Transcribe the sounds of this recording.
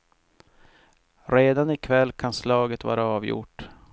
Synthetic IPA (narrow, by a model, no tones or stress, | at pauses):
ɾeːd̪anɪkʰvɛlːkʰanslɑːɡət̪vɑ̰ːɾaɑːvjʊ̰ʈː